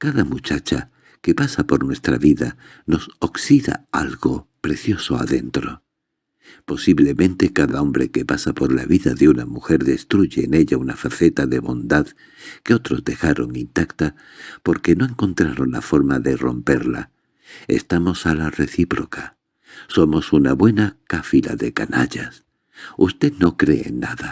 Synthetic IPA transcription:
kaðamut͡ʃat͡ʃa | ke̞pasapo̞ɾnwe̞st̪ɾa̰βiða | no̞so̞ksiða̰alɣo̞pɾe̞θjo̞so̞a̰ðe̞nt̪ɾo̞ | po̞siβle̞mẽnt̪e̞kaðao̞mbɾe̞ke̞pasapo̞ɾla̰βiðaðeunamuxe̞ɾðe̞st̪ɾuʝe̞ːne̞ʎaunafaθe̞t̪aðe̞βo̞nd̪að | ke̞o̞t̪ɾo̞zd̪e̞xaɾo̞ŋint̪akt̪a | po̞ɾke̞no̞e̞ŋko̞nt̪ɾaɾo̞nla̰fo̞ɾmaðe̞ro̞̰mpe̞ɾla̰ | e̞̰st̪amo̞salare̞θipɾo̞ka | so̞mo̞sunaβwe̞nakafila̰ðe̞kana̰ʎas | ust̪e̞no̞kɾe̞ḛnːaða

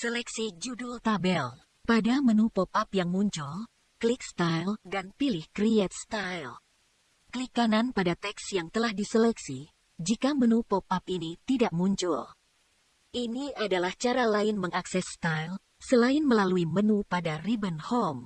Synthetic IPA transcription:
səlɛksid͡ʒudult̪abɛl | padamənupopapjaŋmuɲt͡ʃul | klik̚st̪ajldanpilɪhkɾiɛt̪̚st̪ajl | kəlikananpadat̪ɛksjaŋt̪əlahdisəlɛksi | d͡ʒikamənupopap̚init̪idaʔmuɲt͡ʃʊl | ʔiniadalaht͡ʃaɾalaɪnməŋaksɛsːt̪ajl | səlaɪnməlaluimənupadaribənhom

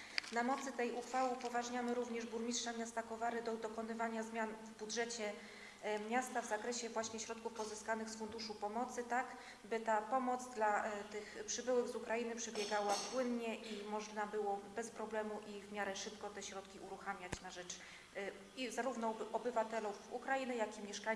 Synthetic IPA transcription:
namɔt̪sɘt̪ɛjuxfawɘpɔvaʐɲamɘɾuvɲɛʐbuɾmʲitʂamʲjast̪akɔvaɾɘd̪ɔd̪ɔkɔnɘvaɲazmʲjanvbudʐɛt͡ɕɛ | mʲɲast̪avzakɾɛɕɛvwaɕɲɛɕɾɔt̪̚kufpɔzɘskanɘxsfund̪uʂupɔmɔt̪sɘt̪aɡ | bɘt̪apɔmɔt̪zd̪lat̪ɘxpʂɘbɘwɘɡzukɾajinɘpʂɛbʲjɛɡawapwɘnɲɛʔimɔʐnabɘwɔbɛspɾɔblɛmuʔivmʲjaɾɛʂɘpkɔt̪ɛɕɾɔt̪kʲiuɾuxamʲjat͡ɕnaʐɛt͡ʂ | izaɾuvn̪ɔɔbɘvat̪ɛlufukɾainɘjakʲimʲjɛʂka

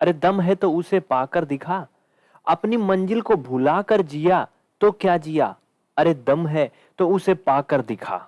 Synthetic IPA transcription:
ɐɾed̪ɐmɦɛt̪oʊsepaːkəɾd̪ɪkʰaː | ɐpnimɐ̃nd͡ʒɪlkobʱʊlaːkəɾd͡ʒija | t̪okjaːd͡ʒija̰ː | ɐɾed̪ɐmɦɛ | t̪oʊsepaːkəɾd̪ɪkʰa̰ː

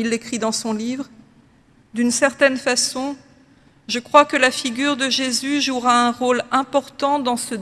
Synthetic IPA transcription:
ilːekχid̪ɑ̃sɔ̃livʁ | d̪ynsɛʁt̪ɛnfasɔ̃ | ʒəkχwakəlafiɡʲyʁd̪əʒezyʒuʁaɛ̃ʁolɛ̃pɔʁt̪ɑ̃d̪ɑ̃sə

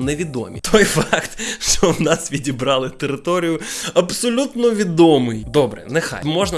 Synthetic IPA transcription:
nɛʋʲid̪o̰mʲḭt̪ʰojfɑkt̪ʂt̪ɔvnasʋʲidʲɪbɾɑlˠɨt̪əɾɪt̪oɾʲɪjʊɐpsɔlʲut̪nɔʋʲid̪omɨjd̪obɾɛ̰nɛxa̰jmoʐnɐ

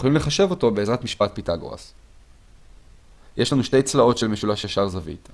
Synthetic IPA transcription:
olimle̞χaʃe̞vo̞to̞beːzʁatmiʃpat̚pitaɡo̰a̰s | jeʃlanuʃte̞jt͡slao̞tʃelmeʃulaʃjaʃaʁzavḭt̪

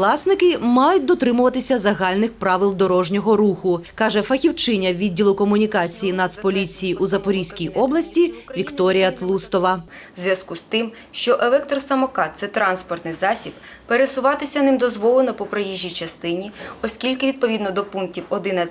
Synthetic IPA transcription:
lˠɑsnɪkɪmɑjʊt̚ʲd̪ɔt̪ɾɪmʊʋɐt̪ɪsʲɐzɐɦɑlʲnɪxpɾɑʋɪlˠd̪ɔɾɔʒnʲɔɦɔɾuxʊkɑʒɛfɐxʲiwt͡ʃɪnʲɐʋʲidʲːilˠʊkɔmʊnʲikɑt͡sʲijinɐt̪spɔlʲit͡sʲijiʔuzɐpɔɾʲijsʲkʲijɔblˠɐsʲtʲiʋʲikt̪ɔɾʲijɐt̪lˠust̪ɔʋɐ | zʲʋʲjɐskust̪ɪm | ʃt͡ʃɔʔelˠɛk̚t̪ɾɔsɐmɔkɑt̪sɛt̪ɾɑnspɔrt̪nɪjzɑsʲib | peɾesʊʋɑt̪ɪsʲɐnɪmd̪ɔzʋɔlˠenɔpɔpɾejiʒʲːijt͡ʃɐst̪ɪnʲiɔsʲkʲilʲkɪʋʲid̪̚pɔʋʲid̪nɔd̪ɔpunk̚tʲiwɔd̪ɪnɐ

